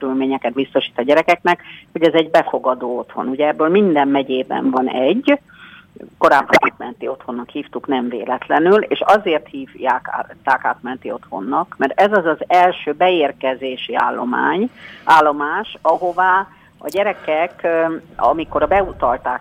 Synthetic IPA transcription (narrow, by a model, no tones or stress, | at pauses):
øylmeːɲɛkɛt̪̚bist̪o̞ʃiːt̪ɒɟɛɾɛkɛknɛkhoɟɛzɛɟbɛfo̞ɡɒd̪oːo̞t̪ho̞̰nuɟɛɛbːøːlmind̪ɛmmɛɟeːbɛ̰ɱvɒnɛɟː | ko̞ɾaːbːonaːt̪mɛnt̪io̞t̪ho̞nːɒkhiːft̪uknɛɱvḛːlɛt̪lɛnylḛːʃɒzeːrt̪hiːvjaːkːt̪ːaːka̰ːt̪mɛnt̪io̞t̪ho̞̰nːɒkmɛrɛzɒzɒzɛlʃøːbɛeːrkɛzeːʃia̰ːlːo̰ma̰ːɲaːlːo̞maːʃɒɦo̞vaː | ɒ̰ɟɛɾɛkɛkɒ̰miko̞ɾɒbɛut̪ɒlt̪aːk